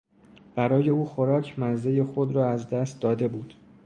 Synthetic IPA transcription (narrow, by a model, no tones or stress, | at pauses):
b̥æɾɒːje̞uːxo̞ɾɒːcʰmænze̞je̞xo̞d̪ɾɒːæzd̪æst̪̚d̪ɒːd̪e̞buːd̪̥